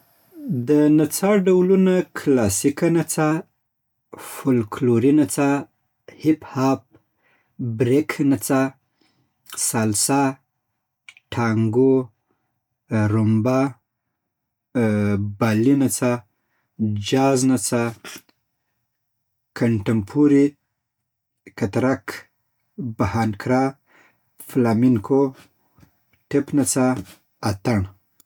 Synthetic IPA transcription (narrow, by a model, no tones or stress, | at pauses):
d̪ənat͡saɖawlunakʰlasikanat͡sa | fʊlkʰloɾinat͡sa | hɪphap̚ | bɾekʰnat͡sa | salsa | ʈʰaŋɡo | ɾʊmba | balinat͡sa | d͡ʒaznat͡sa | kʰaɳʈampʰuɾi | kat̪ɾak | bahankɾa | flamiŋkʰo | ʈɪpnat͡sa | at̪aɳ